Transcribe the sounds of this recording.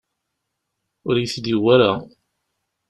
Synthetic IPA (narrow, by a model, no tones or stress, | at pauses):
ʊɾjəθd̪iwaɾa